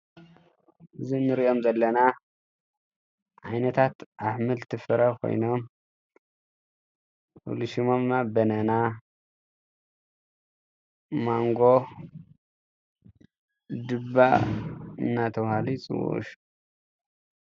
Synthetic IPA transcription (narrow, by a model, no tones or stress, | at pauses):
ʔɨzinːɨɾiʔo̞mzɐlːɐna | ʔajnɐt̪ʰat̪ʔaħmɨlt̪ʰɨfɨɾɐkʰo̰jno̞m | ʔṵluʃimomnabɐnɐna | maŋɡo̞ | d̪ɨbːa | ɨ̰nːat̪ʰɐβhalit͡sʼɨ̰w̰ʃ